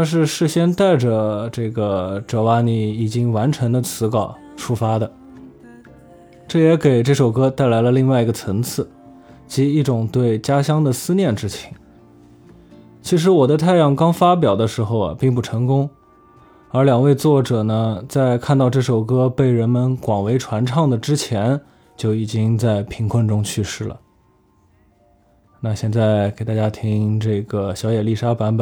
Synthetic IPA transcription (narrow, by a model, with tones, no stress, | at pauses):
na˧ʂ̬ɻ̩˥˧ʂɻ̩˥˩ɕjɛ˥nt̪a˥˩ɪʈ͡ʂə˩ʈ͡ʂɤ˥˩ɡə˩ʈ͡ʂɤ˨˩wa˧˥ni˧˩i˨˩t͡ɕi˥ŋwa˧˥nʈ͡ʂʰɤ˧˥ŋd̪ə˧t͡sʰɹ̩˧˥kɑ˨˩ʊ | ʈ͡ʂʰu˥fa˥d̪ə˨ | ʈ͡ʂɤ˥˩jɛ˧˥ke˨˩ɪʈ͡ʂɤ˥˩ʂo˨˩ʊkɤ˥t̪a˥˩ɪla˧˥ɪlə˧li˥˧ŋwa˥˩ɪi˧˥ɡə˧˩t͡sʰɤ˧˥ŋt͡sʰɹ̩˥˩ | t͡ɕi˧˥i˥˩ʈ͡ʂʊ˨˩ŋt̪we˥˩ɪt͡ɕja˥ɕjɑ˥ŋd̪ə˨sɹ̩˥njɛ˥˩nʈ͡ʂɻ̩˥t͡ɕʰi̥˧˥ŋ | t͡ɕʰi˧˥ʂ̬ɻ̩˧˥wɔ˨˩d̪ə˦t̪ʰa˥˧ɪjɑ˥˩ŋkɑ˥ŋfa˥p̬jɑ˨˩ʊd̪ə˦ʂɻ̩˧˥xo˧ʊ̰˩pi˥˧ŋpu˥˩ʈ͡ʂʰɤ˧˥ŋkʊ˥ŋ | ə˞˧˥ljɑ˨˩ŋwe˥˧ɪt͡swɔ˥˩ʈ͡ʂɤ˨˩nə˦t͡sa˥˧ɪkʰa˥˧nt̪ɑ˥˧ʊʈ͡ʂɤ˥˩ʂo˨˩ʊkɤ˥pe˥˩ɪɻə˧˥nmə˧nkwɑ˨˩ŋwe˧˥ɪʈ͡ʂʰwa˧˥nʈ͡ʂʰɑ˥˩ŋd̪ə˩ʈ͡ʂɻ̩˥t͡ɕʰjɛ˧˥n | t͡ɕjo˥˩ʊi˨˩t͡ɕi˥ŋt͡sa˥˩ɪpʰi˧˥ŋkʰwə˥˩nʈ͡ʂʊ˥ŋt͡ɕʰy˥˧ʂɻ̩˥˩lə̰˩ | na˥˧ɕjɛ˥˧nt͡sa˥˩ɪke˨˩t̪a˥˩t͡ɕja˥t̪ʰi˥ŋʈ͡ʂɤ˥˩ɡə˩ɕjɑ˧˥ʊjɛ˨˩li˥˩ʂa˥pa˧˥npə˨˩˦n